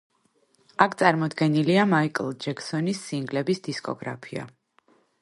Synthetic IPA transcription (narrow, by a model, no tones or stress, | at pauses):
akʰt̪sʼaɾmɔd̪ɡɛniliamaikʼlˠd͡ʒɛksɔnisːiŋɡlɛbisd̪̥iskʼɔ̰ɡɾa̰pʰia̰